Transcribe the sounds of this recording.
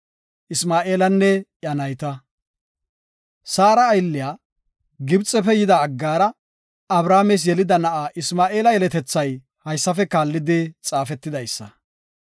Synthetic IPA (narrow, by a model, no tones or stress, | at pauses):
ʔɪsmaːʔeːlɐnːɛjɐnɐjt̪ɐ | saːɾɐːjlːɪjaː | ɡɪbt͡sʼːɛfɛjɪd̪ɐːɡːaːɾɐ | ɐbɾaːmes̬jɛlɪd̪ɐnɐʔaːʔɪsmaːʔeːlɐjɛlɛt̪ɛt͡sːɐj | hɐjsːɐfɛkaːlːɪd̪ɪt͡sʼaːfɛt̪ːɪd̪ɐjsːɐ̰